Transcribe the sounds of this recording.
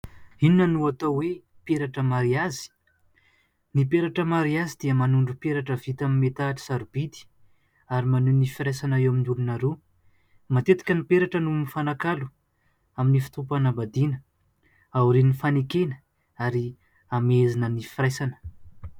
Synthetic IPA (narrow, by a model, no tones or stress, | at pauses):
ininənuat̪awe | peɾaʈ͡ʂəmaɾiazi̥ | nipeɾaʈ͡ʂəmaɾiazid̪̥iəmanuɳɖ͡ʐupeɾaʈ͡ʂəvit̪amimet̪aʈ͡ʂi̥saɾub̥id̪i̥ | aɾimanunifiɾajsanaewaminulunaɾu | mat̪et̪i̥kʲənipeɾaʈ͡ʂənunifanakalu̥ | aminifi̥t̪upanabad̪inə | awɾenifanekenə̥ | aɾi | amezinənifiɾajsanə̥